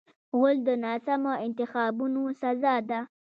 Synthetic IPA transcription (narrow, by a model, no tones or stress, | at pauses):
ɣʊld̪ənɑsamoɪnt̪ɪxɑbunosazɑd̪a